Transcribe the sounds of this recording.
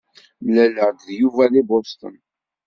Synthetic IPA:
læləʁd̪ðjuvælibost̪ə̰n

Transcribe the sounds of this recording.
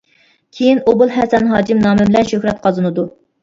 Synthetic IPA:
kʲʰejinobʊlˠɦɛsɛnɦɑːd͡ʒimnɑːmɪbɪlɛnʃøhɾɛt̪̚qʰɑzɨnɨd̪u

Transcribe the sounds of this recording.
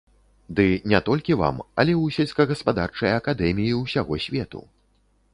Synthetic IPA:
d̪ɨnʲɛt̪ɔlʲkʲiva̰mɐ̰lʲɛwsʲɛlʲskɐɣɐspad̪art͡ʂɐjɐɐkad̪ɛmʲijiwsʲaɣɔsʲvʲɛt̪ṵ

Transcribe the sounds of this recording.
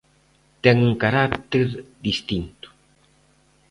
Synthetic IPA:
t̪ɛŋuŋkaɾakt̪eɾðist̪int̪ʊ̥

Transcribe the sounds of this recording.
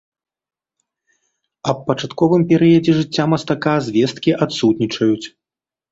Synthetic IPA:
ɐppːɐt͡ʂat̪kɔvɨmpʲɛɾɨjɐd͡zʲɛʐɨt͡sʲːamɐst̪akazʲvʲɛst̪kʲiʔat̪sut̪nʲit͡ʂɐjut͡sʲ

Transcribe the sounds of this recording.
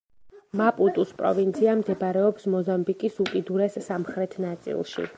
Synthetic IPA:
mapʼut̪ʼuspʼɾɔ̰vint̪sʰiamd̪ɛbɾɛɔpsmɔzambikʼisukʼid̪uɾɛsːamχɾɛt̪ʰnat̪sʼḭlˠʃḭ

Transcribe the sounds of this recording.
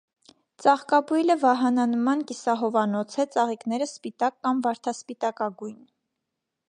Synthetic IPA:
t͡sɑχkɑbujləvɑɦɑnɑnmɑnkisɑɦɔvɑnɔt͡sʰɛt͡sɑʁikn̪ɛɾəspit̪ɑkːɑmvɑɾt̪ʰɑspit̪ɑkɑɡujn

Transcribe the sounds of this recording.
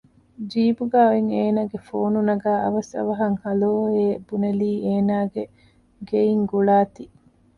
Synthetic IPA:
d͡ʒiːbuɡæːoeŋeːnaːɡefoːnunɐɡæːʔɐ̰ʋɐsɐ̰ʋɐɦɐŋhɐloːeːb̥unɐliːeːnaːɡe | ɡeiŋɡuɭaːt̪i

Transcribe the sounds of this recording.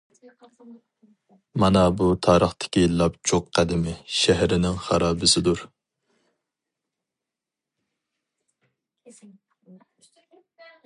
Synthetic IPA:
mɑnɑbut̪ʰɑːɾəχt̪ʰɪ̥kʲilˠɑpt͡ʃʰoqqʰːæd̪ɪmɪʃɛɦɾɪnɪŋχɑɾɑːbɪsɪd̪uɾ

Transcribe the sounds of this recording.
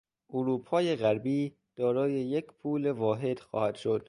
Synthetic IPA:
ʔoɾuːpʰɒːje̞ɣæɾbiː | d̪̥ɒːɾɒːje̞jecʰpʰuːlevɒːɦe̞d̪̥xɒ̰ːhæd̪̥ʃod̪̥

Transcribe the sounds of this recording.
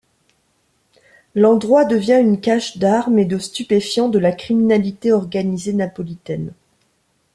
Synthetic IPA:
lɑ̃d̪ʁwad̪əvjɛ̃ynkaʃd̪aʁmed̪əst̪ypefjɑ̃d̪əlakχiminalit̪eɔʁɡanizenapɔlit̪ɛn

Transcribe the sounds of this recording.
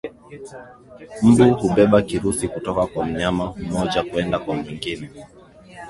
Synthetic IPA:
m̩buhuɓɛɓakiɾusikutɔkakwam̩ɲamam̩mɔʄakuɛndakwamwiŋɡinɛ

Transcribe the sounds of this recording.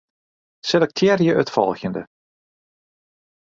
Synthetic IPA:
sɛlɛk̚tʰɛːɾjəʔœtfɔ̰lˠxjəndə̰

